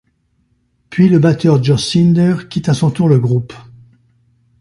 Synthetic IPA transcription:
pɥiləbat̪œʁd͡ʒɔsind̪ɛʁkʲit̪asɔ̃t̪uʁləɡʁup

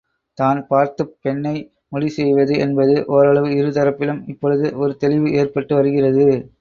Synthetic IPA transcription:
t̪aːnpaːɾt̪ɯpːɛɳːɐɪ | mɔɽisɛjʋɐðɯɛnbɐðɯʔɔɾɐɭɐʋɯɪɾɯt̪ɐɾɐpːɪlɯmɪpːɔɻɯðɯʔɔɾɯt̪ɛɭɪʋɯeːrpɐʈːɯʋɐɾɯɣɪrɐðɯ

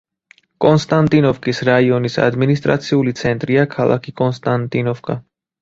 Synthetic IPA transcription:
kʼɔnst̪ʼant̪ʼinɔfkʼisɾaiɔnisa̰d̪minist̪ʼɾa̰t̪sʰiulit̪sʰɛnt̪ʼɾiakʰalˠa̰kʰikʼɔnst̪ʼant̪ʼinɔfkʼa

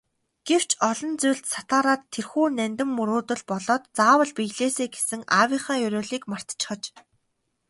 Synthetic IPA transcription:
ɡ̥ew̥t͡ɕʰɔɮɞ̆nt͡sujɮt̪sḁt̪aːɾaːt̪ʰːerxuːnænʲt̪ɘ̆mːɵɾʊːt̪ɵ̆ɮpɔɮɔːt̪t͡saːwə̆ɮpijɮeːseːɡe̥sɘ̆ŋawʲiχaːjɵɾʲʊːɮiːkmar̥t̪t͡ɕʰɪ̥̆χə̆t͡ɕ

